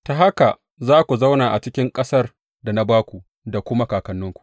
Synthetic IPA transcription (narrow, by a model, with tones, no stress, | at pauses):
ta˨ɦa˦ka˨ | zaː˦kʷu˨za˦wnaː˨ʔa˨t͡ʃɪ˦kʲɪ˦ŋkʼɐ˦sɐ˦r | da˨na˦baː˦kʷu˨ | da˨kʷʊ˦ma˦kaː˨kɐ˨nːʊ˦ŋkʷu̥˨ʔ